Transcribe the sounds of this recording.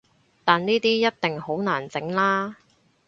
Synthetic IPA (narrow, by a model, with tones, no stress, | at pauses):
t̪aː˨nniː˥t̪iː˥jɐ˥t̚t̪ɪ˨˩ŋho˨˥wnaː˨˩nt͡sɪ˨˥ŋlaː˥